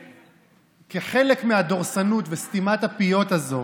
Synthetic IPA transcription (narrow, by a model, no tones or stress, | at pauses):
keχe̞lekmead̪o̞ʁsanut̪vest̪imat̪apijo̞t̪azo̞